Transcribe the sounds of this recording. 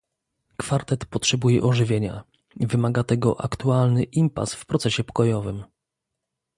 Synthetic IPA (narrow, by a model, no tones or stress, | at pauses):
kfaɾt̪ɛt̪pɔtʂɛbujɛ̰ʔɔʐɘvʲjeɲa̰ | vɘmaɡat̪ɛɡɔ̰ʔa̰kt̪ualnɘʔimpa̰sfpɾɔt̪sɛɕɛpɔ̥kɔjɔvɘm